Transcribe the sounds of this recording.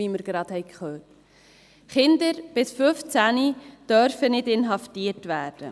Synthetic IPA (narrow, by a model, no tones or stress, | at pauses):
iːməɾɡ̥ɾɑd̪hɛɪkχøːt | χɪnd̪əɾb̥ɪsfʏft͡sænid̥œɾfənɪdɪnɦɑftiːəɾtʋæːɾd̥ə